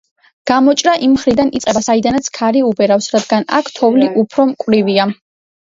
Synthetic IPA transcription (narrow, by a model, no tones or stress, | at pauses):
ɡ̥amɔt͡ʃʼɾaʔimːχɾid̪anit̪sʼɛbasaid̪anat̪sʰkʰaɾiubɛɾafsɾad̪ɡana̰kʰt̪ʰɔvliʔupʰɾɔmkʼwvɾivia